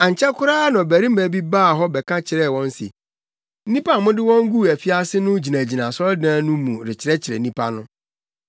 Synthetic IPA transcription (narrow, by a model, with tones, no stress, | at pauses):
ã˨ɲ˨t͡ɕʰɛ˦kʰʊ˦ɾaː˦nã˨bæ˨ɾi˦mæ̃˨bi˦baː˦˨ɦɔ˦bɛ˨kʰã˦t͡ɕʰɪ˨ɾɛ˦˨wɔ̃˦n˦sḛ˨ | n̩˦nĩ˦pʰa˦˨mʊ̃˦dɪ˦wɔ̃˦ŋ̩˦ɡu˦˨æ˨fi˦a˦sɪ˦nʊ̃˦d͡ʑi˨nã˨d͡ʑi˨nã˨sɔ˦ldãː˦nʊ̃˦mũ˨ɾɪ˨t͡ɕʰɪ˨ɾɛ˦t͡ɕʰɪ˨ɾɛ˨nĩ˦pʰa̰˦nʊ̃˦